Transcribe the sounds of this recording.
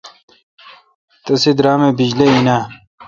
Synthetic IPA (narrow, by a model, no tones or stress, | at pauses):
t̪ɐsid̪ɾaːmebid͡ʑleinaː